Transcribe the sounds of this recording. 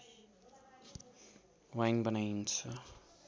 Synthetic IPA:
wajŋbʌnajnt͡sʰʌ

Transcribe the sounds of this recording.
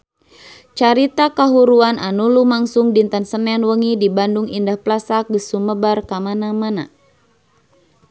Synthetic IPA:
t͡ʃaɾit̪akaɦuɾuanʔanulumaŋsʊŋdint̪ansənɛnwəŋidibanduŋindahplasak̚ɡəsuməbarkamanamana̰

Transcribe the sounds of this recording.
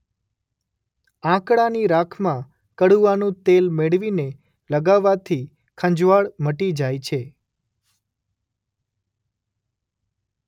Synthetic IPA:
ãkɽaniɾakʰmã | kəɽuanũt̪elmeɭʋine | ləɡaʋːat̪ʰi | kʰə̃ɲd͡ʒʋaɭməʈid͡ʒajt͡ʃʰe

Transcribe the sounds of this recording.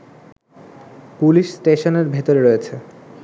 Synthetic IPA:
puliʃsʈeʃoneɾbʱet̪oɾeɾoet͡ɕʰe

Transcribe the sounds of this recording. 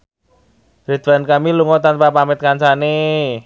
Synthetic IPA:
ɾed̪̥bankamiluŋɔt̪anpapamɪt̪̚kansane

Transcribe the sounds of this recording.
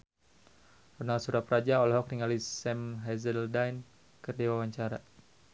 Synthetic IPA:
rɔnalsuɾapɾad͡ʒaɔlaɦɔk̚riŋalisɛmɦɛzəldajn | kərdiwawaɲt͡ʃaɾa̰

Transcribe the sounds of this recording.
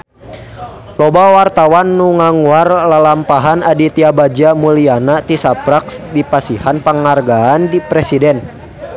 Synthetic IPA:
lɔbawart̪awanːuŋaŋuarlalampaɦanadit̪iabad͡ʒamulianat̪isapɾaksdipasihanpəŋarɡaːndipɾɛsidɛn

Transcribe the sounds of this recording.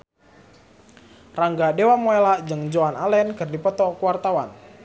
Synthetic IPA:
raŋɡadewamoelad͡ʒəŋd͡ʒoanalɛnkɨrdipɔt̪ɔkuwart̪awan

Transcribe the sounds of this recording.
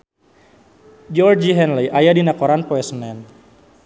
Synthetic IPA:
d͡ʒɔrd͡ʒiɦɛnliʔajadinakɔɾanpɔɛsənɛn

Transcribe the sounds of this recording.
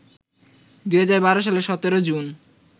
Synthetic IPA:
d̪uɦad͡ʑaɾbaɾoʃ̬aleɾʃɔt̪eɾod͡ʑun

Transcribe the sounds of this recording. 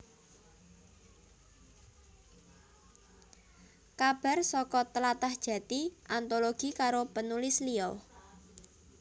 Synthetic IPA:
kab̥a̤rsɔkɔt̪əlat̪ahd̥ʒ̥ä̤t̪iʔant̪oloɡ̥i̤kaɾopənulɪsliɔ

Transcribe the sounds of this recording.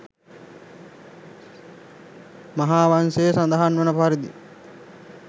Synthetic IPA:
maɦaːʋansejsand̪əɦanʋənəpaɾid̪ḭ

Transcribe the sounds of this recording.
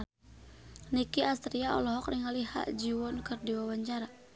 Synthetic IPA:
nikiast̪ɾiaɔ̰lɔɦɔkriŋaliha̰ʔd͡ʒiwɔnkɨrdiwawaɲt͡ʃaɾa

